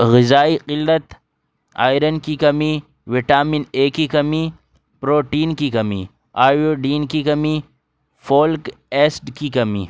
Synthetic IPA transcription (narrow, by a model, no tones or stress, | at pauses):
ɣɪzaːiqɪlːɐt̪ | a̰ːjɾɐnkikɐmi | ʋiʈaːmineːkikɐmi | pɾoːʈiːnkikɐmḭ | aːjoɖiːnkikɐmi | foːlk | eːsʈkikɐmḭː